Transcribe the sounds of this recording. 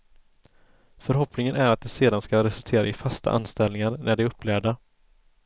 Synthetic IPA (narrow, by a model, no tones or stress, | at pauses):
fœɾɦɔpnɪŋənæɾat̪̚d̪ɛseːd̪anskaɾɛsɵlt̪ʰeːɾa̰ɪfast̪ʰa̰ʔa̰nst̪ɛlnɪŋaɾnʔæɖɛɾɵpːlæːɖa